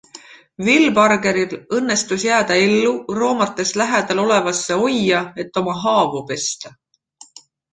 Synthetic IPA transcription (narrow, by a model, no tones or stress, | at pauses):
vilbɑrɡe̞ɾilɤnːe̞st̪usjæːd̪̥ɑe̞lːuro̞ːmɑt̪ːˑe̞slæɦæd̪̥ɑlo̞le̞vɑsːe̞o̞jːɑe̞t̪ːo̞mɑɦɑːvupe̞st̪ɑ